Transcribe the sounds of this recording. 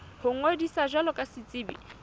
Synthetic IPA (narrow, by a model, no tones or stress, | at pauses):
hʊŋ̩odisaʒwalɔkʼasɪt͡sʼɪːbḭ